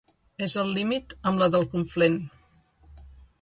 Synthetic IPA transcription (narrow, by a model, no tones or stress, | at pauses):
ezəlˠːimit̪əmləðəlˠkuɱflen